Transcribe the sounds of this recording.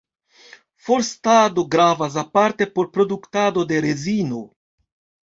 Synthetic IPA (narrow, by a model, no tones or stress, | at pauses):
fo̞ɾstado̞ɡɾavas̬apaɾte̞po̞ɾpɾo̞duktado̞de̞ɾe̞zino̞